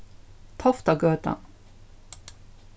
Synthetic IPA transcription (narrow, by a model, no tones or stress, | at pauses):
t̪ʰɔft̪ɑɡøːt̪ɑ̰n